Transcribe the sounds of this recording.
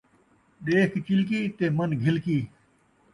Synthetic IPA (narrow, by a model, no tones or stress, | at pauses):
ɗeːkʰt͡ʃɪlk̬iːt̪eːmənɡʱɪlkiː